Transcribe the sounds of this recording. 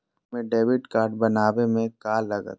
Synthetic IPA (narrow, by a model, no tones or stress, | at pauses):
mẽɖeːʋɪʈkaːɾɖ̚bɐnaːʋemẽkaːlːɐɡə̰t̪